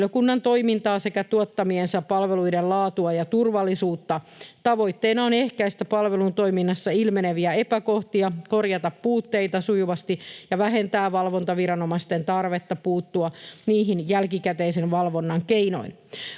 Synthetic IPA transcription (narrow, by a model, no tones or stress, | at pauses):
jokunːɑnt̪o̞imint̪ɑːse̞kæt̪uɑt̪ːɑmiensæpːɑlʋeluidellɑːt̪uɑjɑt̪urʋɑlːisuːt̪ːɑ | t̪ɑʋo̞jt̪ːeinɑonehkæist̪æpɑlʋelunt̪o̞iminːɑsːɑilmeneʋiæepækoht̪iɑkorjɑt̪ɑppuːt̪ːeijt̪ɑsujuʋɑst̪ijɑʋæɦent̪æːʋɑlʋont̪ɑʋiɾɑnomɑst̪ent̪ɑrʋet̪ːɑpuːt̪ːuɑniːɦinjælkikæt̪eisenʋɑlʋo̞nːɑŋkeino̞̰in